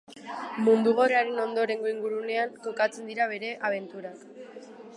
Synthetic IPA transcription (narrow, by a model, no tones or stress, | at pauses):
mund̪uɣ̞oreaɾeno̞nd̪o̞ɾe̞ŋɡo̞iŋɡuɾune̞ant̪okat͡se̞nd̪iɾaβ̞e̞ɾe̞ʔaβ̞e̞nt̪uɾak